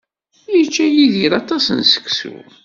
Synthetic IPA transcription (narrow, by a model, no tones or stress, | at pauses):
jit͡ʃːæjiðiɾɑt̪ˤɑsənsə̥ksṵ